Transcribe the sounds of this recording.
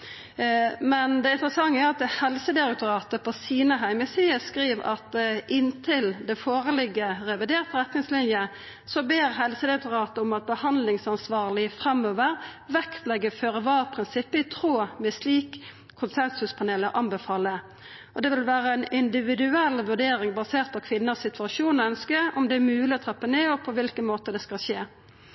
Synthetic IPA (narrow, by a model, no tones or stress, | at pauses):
mɛnd̪ɛɪnt̪ɾəsɑŋːəæɾɑt̪̚d̪hɛlsəd̪ɪɾɛk̚t̪ʊɾɑːt̪əpʰɔsiːnəɦæɪməsiːəskɾiːʋɑ̰t̪ʔɪnt̪ʰɪld̪ɛfoːɾəlɪɡːəɾɛʋɪd̪eːɾt̪ɾɛt̪nɪŋslɪnjə | sɔbeːɾɦɛlsəd̪ɪɾɛk̚t̪ʊɾɑːt̪əʊmɑt̪̚bəhɑnd̪lɪŋsɑnsʋɑːʁlɪfɾɛmːøːʋəɾʋɛkt̪lɛɡːəføːɾəʋɑːpʰɾɪnsɪpːəɪt̪ʰɾoːmɛsliːkʰː | ʊnsɛnsʉspʰɑneːləɾʔɑmbɛfɑːlːə | ɔd̪ɛʋɪlʋæːɾəænɪnd̪ɪʋɪd̪ʉɛlʋʉʁɖ̪eːɾɪŋbɑseːʁt̪̚pʰɔkʰʋɪnːəsɪt̪ʉɑʃuːnɔœnskəɾɔmd̪ɛæmʉːlɪɔt̪ʰʁɛpːəneːɔpʰɔʋɪlkənmoːt̪əd̪ɛskɑlʃeː